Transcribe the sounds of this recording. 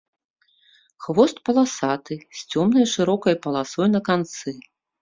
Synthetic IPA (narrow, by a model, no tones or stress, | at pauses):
xvɔst̪̚pɐlˠasat̪ɨsʲt͡sʲɔmnɐjʂɨɾɔkɐjpɐlˠasɔjnɐkant̪sɨ